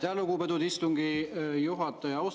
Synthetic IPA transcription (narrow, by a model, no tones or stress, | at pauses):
t̪eɑluɡuped̪ud̪ist̪uŋɡijuɦɑt̪ːˑɑjɑws